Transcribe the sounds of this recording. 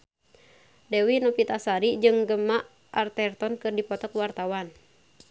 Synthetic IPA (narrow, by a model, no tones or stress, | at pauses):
dewinɔpit̪asaɾid͡ʒɨŋɡəmaʔ | ʔart̪ɛrt̪ɔnkɨrdipɔt̪ɔkwart̪awan